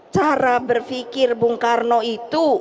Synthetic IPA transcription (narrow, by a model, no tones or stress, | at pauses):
t͡ʃaɾabərfikɪrbʊŋkarnoit̪u